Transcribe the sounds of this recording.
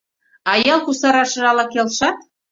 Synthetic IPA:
ɑjɑlˠkusɑɾɑʃɤ̆ʒɑlɑkelʃɑt̪̚

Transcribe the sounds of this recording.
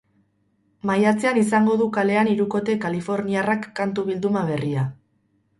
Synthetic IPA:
majat͡seanisaŋɡo̞ðukale̞aniɾuko̞t̪e̞kalifo̞ɾniarakːant̪uβ̞ild̪umaβe̞ria

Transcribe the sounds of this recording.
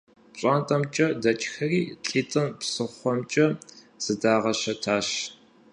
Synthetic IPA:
pɕʼaːntʼɐmt͡ʃʼɐdɐt͡ʃʰʼxɐriːɬʼiːtʼɨnpsɨχʷɔmt͡ʃʼɐ | z̥ɨdaːʁɐʃɐtʰaːʃ

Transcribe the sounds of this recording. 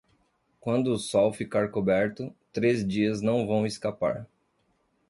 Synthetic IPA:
kwɐ̃nd̪ʊːsɔwfikaɾkobɛɾt̪ʊt̪ɾezd͡ʒiɐznɐ̃w̃vɐ̃w̃eskapa̰ɾ

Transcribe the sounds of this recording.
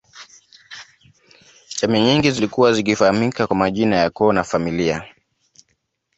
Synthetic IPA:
t͡ʃɛmɛɲiŋɡizilikuwazikifahamikakwamaʄinajakɔːnafamilia

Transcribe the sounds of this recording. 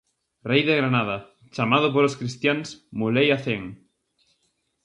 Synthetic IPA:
rejðeɣɾanaða | t͡ʃamað̞op̬oɾoskɾist̪jansmulejaθeŋ

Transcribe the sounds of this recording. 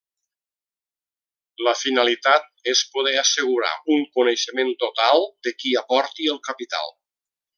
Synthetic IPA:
ləfinalit̪at̪̚espoð̞ɛasəɣ̞uɾa̰uŋkuneʃəment̪ot̪alˠd̪əkiapɔɾt̪iəlˠkəpit̪a̰lˠ

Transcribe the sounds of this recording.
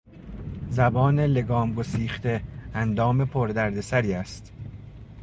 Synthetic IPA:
zæbɒːne̞le̞ɡɒːmɡo̞siːχt̪e̞ænd̪ɒːme̞pʰoɾd̪æɾd̪e̞sæɾiːæst̪

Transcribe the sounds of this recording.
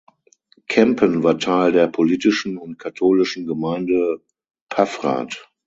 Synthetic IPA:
kʰɛmpʰənvaːɐtʰaɪldeːɐpʰoliːtɪʃn̩ʊnt̚kʰatʰoːlɪʃn̩ɡəmaɪ̃ndə | pʰafʁa̰ːt

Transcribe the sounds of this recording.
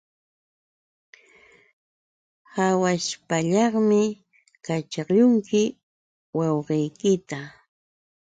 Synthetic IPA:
hawaʃpaʎɑχmɪ | kat͡ʃɑʎʊŋkɪ | wɑwɢejkɪt̪a

